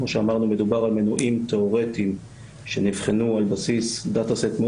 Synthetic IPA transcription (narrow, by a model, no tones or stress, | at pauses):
mo̞ʃeamaʁnume̞d̪ubaʁalmenuʔimt̪eo̞ʁetim | ʃenivχenualbasisd̪at̪aset̪mo